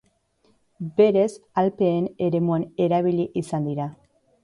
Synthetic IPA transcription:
beɾezalpeeneɾemuaneɾaβiliʔisand̪iɾa

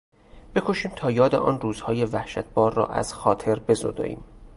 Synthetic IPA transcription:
b̥e̞kʰo̞ʃiːmt̪ʰɒːjɒːd̪ḛʔɒ̰ːnruːzhɒːje̞væhʃæt̪̚ʰb̥ɒːɾːɒ̰ːʔæ̰z̥xɒːt̪ʰe̞ɾbe̞zod̪ɒ̰ːʔḭːm

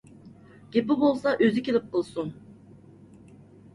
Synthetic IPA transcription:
ɟ̥ʲepibolˠsaʔøzicʲilip̚qɯlˠsun

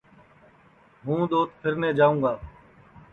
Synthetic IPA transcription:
ɦũːd̪oːt̪pʰɪɾnẽːd͡ʒaːʋũːɡaː

